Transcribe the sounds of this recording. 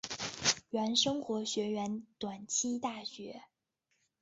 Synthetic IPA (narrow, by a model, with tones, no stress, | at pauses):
ɥɛ˧˥nʂɤ˥ŋxwɔ˧˥ɕɥɛ˧˥ɥɛ˧˥nt̪wa˨˩nt͡ɕʰi˥t̪a˥˩ɕɥɛ˧˥